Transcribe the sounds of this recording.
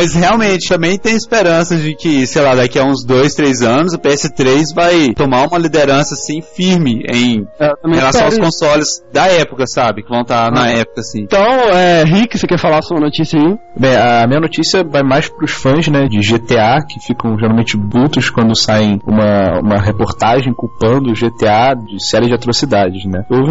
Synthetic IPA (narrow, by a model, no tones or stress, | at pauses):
mɐsheawmẽt͡ʃɪt̪ɐ̃mbẽj̃t̪ẽj̃ɪspeɾɐ̃sɐd͡ʒɪkɪsejlad̪akiɐũzd̪ojst̪ɾejzɐ̃nʊzʊpeɛsɪt̪ɾejzvajt̪omaɾũmɐlid̪eɾɐ̃sɐːsĩfiɾmɪḛ̃j̃ezat̪ɐmẽhelasɐ̃w̃awwskõsɔlʊzd̪ɐɛpʊkɐsabɪkɪvɐ̃w̃t̪anɐɛpʊ̥kɐsĩt̪ɐ̃w̃ɛɦikɪsekɛɾfalasoũmɐnot͡ʃisjɐibẽɐːmĩɲɐnot͡ʃisiɐvajmajspɾʊsfɐ̃znɛd͡ʒɪʒet̪eakɪfikɐ̃w̃ʒeɾawmẽnt͡ʃɪbut̪ʊskwɐ̃nd̪ʊsaẽj̃ṵ̃mɐṵ̃mɐɦepoɾt̪aʒẽj̃kupɐ̃nd̪ʊʒet̪ead͡ʒɪsɛɾiɪd͡ʒɪat̪ɾosid̪ad͡ʒɪʃnɛowvɪ